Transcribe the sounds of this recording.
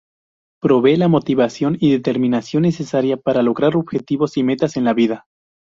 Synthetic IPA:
pɾo̞βe̞lamo̞t̪iβasjo̞niðe̞t̪e̞ɾmĩnasjo̞nːe̞se̞saɾjapaɾalo̞ɣɾaɾo̞β̥xe̞t̪iβo̞sime̞t̪ase̞nlaβiða

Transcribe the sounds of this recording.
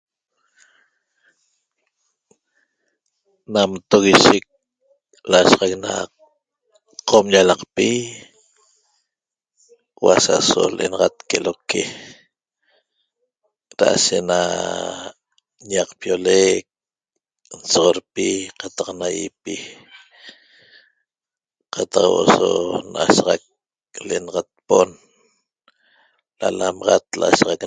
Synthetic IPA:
namt̪oɣiʃik̚ | laʃʁɑk̚na̰ | qʰomjalɑqpi | wa̰sa̰so̰lʔḛnɑʁɑt̪̚keloke | ɾaʔaʃena | ɲaqpjolek̚ | n̩soʁoɾpiqat̪ɑqnajipi | qat̪ɑqwosonʔasʁɑk̚ | leenɑʁat̪̚pon | lalamɑʁɑt̪̚lasʁɑk

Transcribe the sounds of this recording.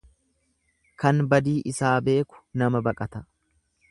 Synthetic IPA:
kɐnbɐd̪iːʔɪsaːbe̞ːkʊ̥nɐmɐbɐkʼɐt̪ɐ

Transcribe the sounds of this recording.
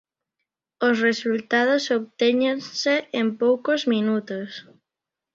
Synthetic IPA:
osresult̪aðosoβt̪eɲenseempowkozminut̪os

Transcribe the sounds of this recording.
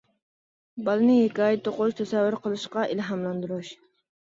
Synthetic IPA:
bɑlˠɨnɨhekʲɑːjɪt̪ʰːoqʊʃt̪ʰɛsɛvːɨɾqʰəlˠɨʃqɑʔilɦɑmlˠɑnd̪uɾuʃ

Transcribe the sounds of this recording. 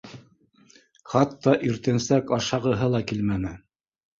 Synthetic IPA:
χɑt̪ːɑʔiɾt̪ɘ̆nsækɑʃɑʁɤ̆ɦɤlˠɑkilmænɘ

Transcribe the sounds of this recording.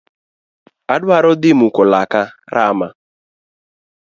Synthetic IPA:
adʊaɾʊdɪmukʊlakaɾʔama

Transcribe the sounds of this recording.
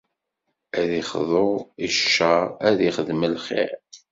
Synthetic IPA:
æðiχðˤoʁiʃːææðiχəðməlχɪ̰ɾ

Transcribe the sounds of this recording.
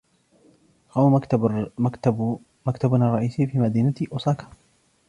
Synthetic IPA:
hawa | makt̪abnrˤɑʔiːsiːfiːmad̪iːnat̪ʔʊsˤɑːkḁ

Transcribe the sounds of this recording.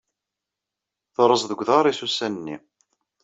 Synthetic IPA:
θɾˤəsðəɡʷðɑɾˤisusænənːḭ

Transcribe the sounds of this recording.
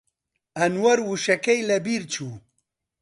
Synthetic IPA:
ɐnwɐɾwuʃɐkɐjlɐbiɾt͡ɕʰu

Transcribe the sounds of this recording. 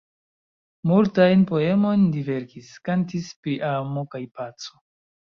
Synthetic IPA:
multajnpo̞e̞mo̞ndive̞ɾkiskantispɾiʔamokajpat͡so

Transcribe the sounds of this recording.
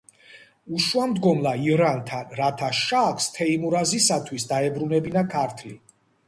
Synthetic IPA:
uʃwamd̪ɡɔmlˠaiɾant̪ʰanɾat̪ʰaʃakst̪ʰɛimuɾazisat̪ʰwisd̪aɛbɾunɛbinakʰaɾt̪ʰli

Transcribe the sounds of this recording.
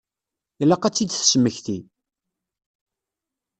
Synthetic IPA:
jlːæqæt͡sːid̪θsəmːəçθi

